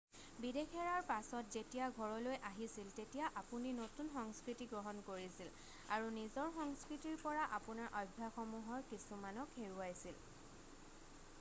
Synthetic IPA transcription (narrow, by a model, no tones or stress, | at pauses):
bidekʰɛɹaɹpasɔtzetijaɡʱɔɹɔlojʔaɦisiltetijaʔapuninotunxɔŋskɹitiɡɹɔɦɔnkoɹisil | aɹunizɔɹxɔŋskɹitiɹpɔɹaʔapunaɹʔɔjbʱːaxɔmuɦɔɹkisumanɔkʰːeɹuajsil